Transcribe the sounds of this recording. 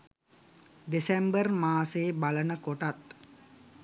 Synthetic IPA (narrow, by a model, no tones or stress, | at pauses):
desembərmaːseːbalənəkoʈat̪